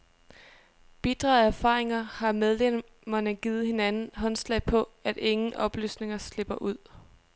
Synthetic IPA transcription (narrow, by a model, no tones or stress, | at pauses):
b̥id̥ʁɑ̰̈ːð̩ˠæɐfɑ̰̈ːʁe̝ŋɐhɑ̈meðˠle | mɐnəɡ̥iːð̩ˠhe̝nænn̩ɦɒ̽nslɛ̰ɪpʰɒ̽æd̥e̝ŋn̩ɒ̽b̥ly̰ːsne̝ŋɐsle̝b̥ɐʔuð̞̰ˠ